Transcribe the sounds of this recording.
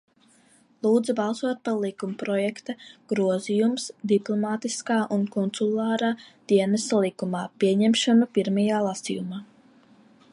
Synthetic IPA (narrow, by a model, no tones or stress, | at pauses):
lˠuːd̪zabɑlˠsuɔt̪̚paɾlˠikumpɾɔjɛkt̪aɡ̥ɾuɔzijumsd̪iplˠɔmaːt̪iskaːʔunkɔnt̪sulˠɑːɾaːd̪̥iɛnɛsalˠikumaːpiɛɲɛmʃanapiɾmajaːlˠasḭjumaː